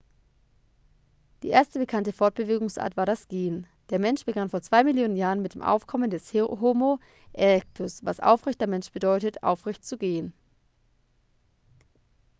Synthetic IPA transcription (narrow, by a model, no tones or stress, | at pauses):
d̥ḭːʔeːɐstəbəkʰantəfɔɐt̚b̥əveːɡʊŋsʔa̰ːɐtv̥aːɐɾasɡ̥eːən | d̥eːɐmɛnʃb̥əɡanfoːɐt͡sv̥aɪmɪljoːnənjaːʁənmɪt̚d̥eːmʔa̰ʊfkʰɔməndɛsɦoːmo | ʔɛʁɛk̚tʰʊsva̰sʔa̰ʊfʁɛçt̚d̥eɐmɛnʃb̥ədɔʏtətʔa̰ʊfʁ̥ɛçtt͡suɡeːən